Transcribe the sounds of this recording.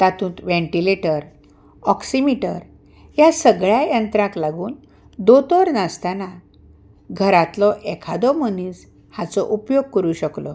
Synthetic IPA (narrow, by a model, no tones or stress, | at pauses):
t̪at̪ũnt̪ʋẽɳʈileʈəɾ | ɔksimiʈəɾ | jasəɡɭjajənt̪ɾãklaɡuːn | d̪ot̪ɔɾnast̪ana | ɡʱəɾat̪lɔʔɛkʰad̪ɔməniːs | hat͡sɔʔupjoɡ̚kəɾuɕəklɔ